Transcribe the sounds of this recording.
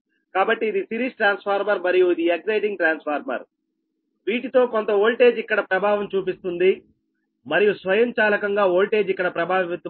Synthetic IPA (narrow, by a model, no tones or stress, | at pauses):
kaːbɐʈːiːd̪isiɾisʈɾaːnspʰaːɾmɐɾmɐɾijuid̪iekzɐjʈiŋɡ̚ʈɾaːnspʰaːɾmɐ̰ɾ | ʋiːʈit̪o̞ːkont̪ɐoːlʈe̞ːd͡ʒikːɐɽɐpɾɐbʱaːʋɐmt͡ʃuːpist̪und̪i | mɐɾijusʋɐjɐmt͡ʃaːlɐkɐŋɡaːoːlʈe̞ːd͡ʒikːɐɽɐpɾɐbʱaːʋʋit̪ɐ